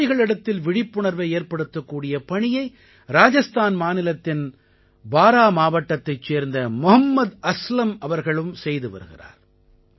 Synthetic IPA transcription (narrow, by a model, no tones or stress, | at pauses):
ɪɣɐɭɪɽɐt̪ːɪlʋɪɽɪpːʊɳɐɾʋɐɪeːɾpɐɽɯt̪ːɐkːuːɽɪjɐpɐɳɪjɐɪ | ɾaːd͡ʒɐst̪ʰaːnmaːnɪlɐt̪ːɪn | baːɾaːmaːʋɐʈːɐt̪ːɐɪt͡ʃːeːɾnd̪ɐmʊɦɐmːɐd̪ɐslɐmɐʋɐɾɣɐɭɯmsɛjðɯʋɐ̰ɾɯ̰ɣɪ̰ra̰ːɾ